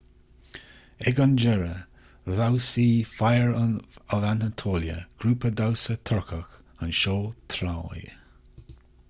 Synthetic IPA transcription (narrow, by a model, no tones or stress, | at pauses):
ɛɡand͡ʒɛɹə | zawsiːfajəɹəvantətʰoːljə̰ɡ̥ɾuːpədawsət̪ʰɔɹkʰəx | ənʃoːt̪ʰɾaːj